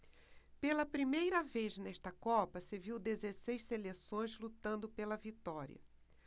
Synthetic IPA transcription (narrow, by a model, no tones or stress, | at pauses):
pelɐpɾimejɾɐveznɛʃt̪ɐkɔpɐseviwd̪ezesejsselesõj̃zlut̪ɐ̃nd̪ʊpelɐvit̪ɔɾḭɐ̰